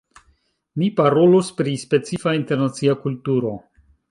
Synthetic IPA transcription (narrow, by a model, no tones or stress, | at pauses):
mipaɾo̞luspɾispe̞t͡sifainte̞ɾnat͡siakultuɾo̞